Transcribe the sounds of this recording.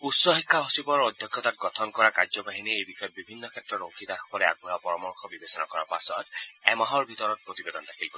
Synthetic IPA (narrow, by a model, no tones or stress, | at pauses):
utsɔxikʰːaɦosibɔɹɔd̪ʱjɔkʰjɔtat̚ɡɔtʰɔnkɔɹakazɔbaɦiniejbixɔjɔb̚bibʱinːɔkʰɛtːɹɔtoŋkʰid̪aɹxɔ̥kɔlɛa̰ɡ̚buɹapɔɹɔmɔɹkʰɔbibesɔna̰kɔɹa̰pa̰sɔ̰tɛmaɦɔɹbʱitɔɹɔt̚pɹotibedɔndakʰilko